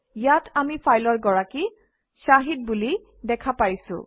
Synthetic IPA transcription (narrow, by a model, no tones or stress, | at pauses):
jatʰamipʰajlɔɹɡɔɹaki | saɦit̚buli | dɛkʰapajsʊ̰̃